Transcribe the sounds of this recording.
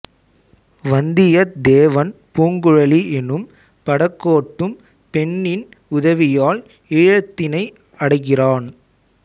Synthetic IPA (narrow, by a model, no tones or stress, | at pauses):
ʋɐnd̪ɪjɐd̪eːʋɐnpuːŋɡɯɻɐliʔɛnɯm | pɐɽɐkːoːʈːɯm | pɛɳːɪn | ʊðɐʋɪjaːl | ɪɻɐt̪ːɪnɐɪ | ɐɽɐɪɣɪraːn